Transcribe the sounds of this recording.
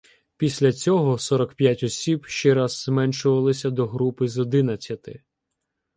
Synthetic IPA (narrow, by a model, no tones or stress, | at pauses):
pʲisʲlʲɐt͡sʲɔɦɔsɔɾɔkpʲjatʲɔsʲibʃt͡ʃɛɾazːmɛnʃʊʋɐlˠɪsʲɐd̪ɔɦɾupɪzɔd̪ɪnɐt͡sʲjɐt̪ɪ